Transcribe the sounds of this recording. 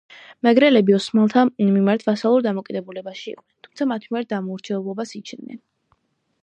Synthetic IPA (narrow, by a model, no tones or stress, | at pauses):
mɛɡɾɛlɛbiɔsmalˠt̪ʰamimaɾt̪ʰvasalˠuɾd̪amɔkʼid̪ɛbulɛbaʃiḭqʼnɛnt̪ʰumtsʰamat̪ʰmiaɾt̪̚d̪amɔuɾt͡ʃʰɛɛblˠɔbasit͡ʃʰnnɛ̰n